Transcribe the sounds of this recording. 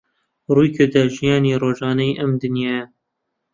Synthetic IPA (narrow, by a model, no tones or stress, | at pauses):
ruːjkʰed̪ɛʒijɑːniːɾoːʒɑːnɛjʔɛmd̪ɨnjɑːjɛ